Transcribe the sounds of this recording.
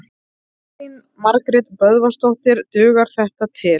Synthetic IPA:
in | maɾkɾɪt̪pœðvast̪owht̪ɪɾt̪ʏːɣaɾ̥θɛht̪at̪ʰɪ

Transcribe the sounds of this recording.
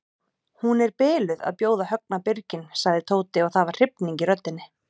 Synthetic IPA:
hunɛɾpɪːlʏða̰ðpjoːwðahœk̚napɪɾcɪnsaɣðɪt̪ʰoːwt̪ɪɔɣθaðvar̥r̥ɪpniɲcɪɾœt̪ːɪnːɪ

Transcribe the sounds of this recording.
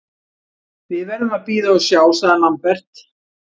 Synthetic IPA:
vɪðvɛɾðʏmaðpiːðaɔsjaːwsaːðanampɛr̥t̪

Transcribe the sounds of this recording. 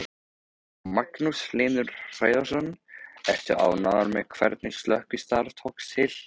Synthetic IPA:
maknusleːnʏɾr̥aːjðasɔnɛht̪ʏʔa̰wnaðaɾmɛðkʰvɛ̰ɾt̪nɪst̪lœhkɪst̪aɾt̪ʰɔwksɪl̥

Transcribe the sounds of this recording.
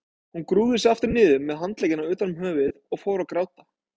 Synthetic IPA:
hunkɾuːðɪsɛðaft̪ɪɾnɪːðʏmːɛðɦant̪lejɪnaʏːt̪anʏmɦœːvɪðɔɣfowɾakɾawt̪ḁ

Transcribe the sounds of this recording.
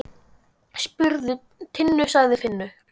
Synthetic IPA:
spʏɾðʏ | t̪ʰɪnːʏsaɣðɪfɪnːʏ

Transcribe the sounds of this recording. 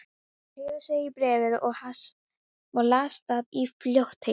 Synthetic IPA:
ɪːðʏsɛipɾɛːvɪðɔɣhas | vaɾlaːst̪aðifljoht̪he

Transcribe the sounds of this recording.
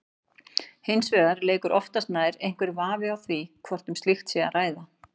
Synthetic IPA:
hɪnsvɛːɣaɾleːkʏɾʔɔft̪ast̪naːðɪɾejŋ̥kvɪɾvaːvɪawθvikʰvɔr̥t̪ʏmst̪lixt̪sɛa̰raːjða

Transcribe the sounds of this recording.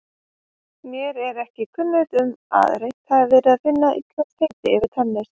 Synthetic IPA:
mjɛɾɛɾɛhcɪkʰʏnːʏðʏma̰ːðɾejn̥t̪haðɛɾvɛɾaðfɪnːaʔḭt̪lɛnsfeːjt̪ɪɪvɪɾ̥t̪ʰanːɪɾ̥

